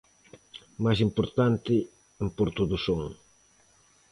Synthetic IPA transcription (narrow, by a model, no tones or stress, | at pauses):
majsimpoɾt̪ant̪ɪ | ɛmpoɾt̪oðusoŋ